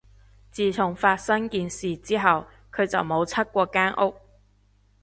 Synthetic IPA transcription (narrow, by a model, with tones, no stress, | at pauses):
t͡siː˨t͡sʰʊ˨˩ŋfaː˧t̚sɐ˥ŋkiː˨nsiː˨t͡siː˥ɦɐ˨w | kʰɵ˨˧t͡sɐ˨wmo˨˧wt͡sʰɐ˥t̚kʷɔː˧kaː˥nʔʊ˥k̚